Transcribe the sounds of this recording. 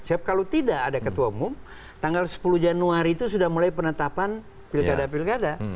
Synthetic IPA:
siap̚kalot̪idaʔːdakət̪uaumʊm | t̪aŋɡalsə̥pulud͡ʒanuaɾiːt̪usudahmulajpənət̪apan | pilkadapilkada

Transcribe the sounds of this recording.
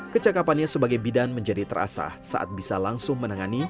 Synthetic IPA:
kət͡ʃakapanɲasəbaɡajbidanməɲd͡ʒadit̪əɾa̰sa̰hsa̰ʔa̰t̪̚bisalaŋsʊŋmənaŋani

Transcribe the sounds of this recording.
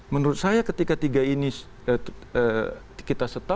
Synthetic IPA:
mənuɾʊt̪̚sajakət̪ikat̪iɡaini | əə | kit̪asət̪a

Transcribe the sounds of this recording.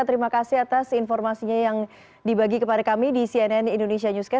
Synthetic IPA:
at̪əɾimakasiat̪asinfɔrmasiɲajaŋ | dibaɡikəpadakamidisiɛnɛnindonesiaɲuskɛ

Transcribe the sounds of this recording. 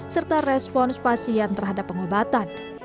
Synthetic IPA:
sərt̪arɛspɔnspasiant̪ərɦadapːəŋobat̪an

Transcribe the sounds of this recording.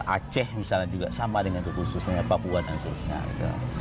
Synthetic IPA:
ʔa̰t͡ʃɛhmisalad͡ʒuɡaʔsamadəŋankəkususaɲapapuanansəɾusɲa̰ɡḭt̪ṵ

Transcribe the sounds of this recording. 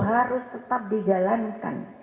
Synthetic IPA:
ɦaɾʊst̪ət̪ap̚did͡ʒalanka̰n

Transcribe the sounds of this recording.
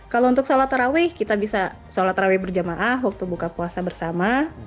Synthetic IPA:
kalount̪ʊksolat̪ɾawɪkit̪abisa | solat̪ɾawɪbərd͡ʒəmaʔaɦwak̚t̪ubukapuasabərsama

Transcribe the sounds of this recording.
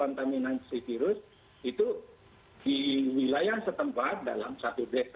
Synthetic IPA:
ant̪aminansifiɾʊs | it̪u | d̥iwilajahsət̪əmpat̪̚da̰la̰msat̪ubɛs

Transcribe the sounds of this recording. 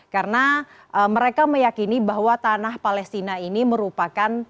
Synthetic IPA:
karəna | ʔəməɾekaməjakinibaɦwat̪anahpalɛst̪inainiməɾupakan

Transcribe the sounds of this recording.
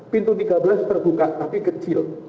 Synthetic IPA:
pint̪ut̪iɡabəlast̪ərbukaʔt̪apikət͡ʃɪl

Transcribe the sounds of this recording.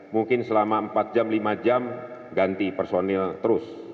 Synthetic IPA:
muŋkɪnsəlamaəmpat̪̚d͡ʒamlimad͡ʒam | ɡant̪ipərsonɛlt̪əɾʊs

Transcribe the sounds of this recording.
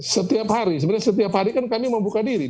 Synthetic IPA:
sət̪iaphaɾisəb̪ɲasət̪iaphaɾikankamiməmbukadiɾi

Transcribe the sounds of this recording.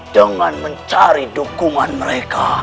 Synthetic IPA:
d̥əŋanməɲt͡ʃaɾidukuŋanməɾeka

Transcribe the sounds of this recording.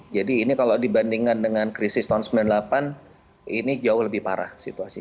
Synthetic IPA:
d͡ʒadiːnikalodibandiŋkandəŋankɾisɪst̪ansəmbilanlapan | inid͡ʒaʊhləbɪhpa̰ɾa̰hsḭt̪uasi

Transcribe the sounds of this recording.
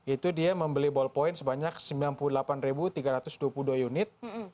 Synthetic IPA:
it̪udiaməmbəlibɔlpɔɪnsəbaɲak̚səmbilanpuludəlapanrebut̪iɡaɾat̪ʊsduapuludoajunɪt̪̚

